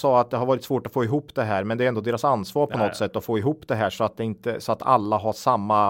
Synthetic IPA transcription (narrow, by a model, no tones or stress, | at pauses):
sɑːat̪̚d̪ɛɦaɾvɑːɾɪt̪svoːʈɔtfoːɪɦuːpːd̪ɛɦæːɾmɛnd̪ɛɾɛnd̪oːd̪eːɾasanːsvɑːɾpʰɔnɔt̪ːsɛt̪ːɔfoːɪɦuːpːd̪ɛɦæːʂɔat̪̚d̪ɛɪnt̪əsɔat̪ʰa̰lːaɦaʂamːa